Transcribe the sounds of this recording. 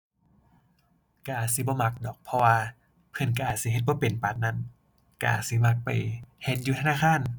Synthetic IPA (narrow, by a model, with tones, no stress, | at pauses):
ka˧ʔaː˨˩t̪̚si˧˦bɔː˧˦ma˧k̚dɔː˨˩k̚pʰɔ˧waː˧ | pʰɤ˧˩˨nk̬a˧ʔaː˨˩t̪̚si˧˦ɦe˧t̪̚bɔː˧˦pe˨˩npa˨˩t̪̚na˧˥˨n | ka˧ʔaː˨˩t̪̚si˧˦ma˧˦k̚pa˨˩jhɛː˧˩njuː˧t̪ʰa˧naː˧˥˨kʰaː˧˥˨n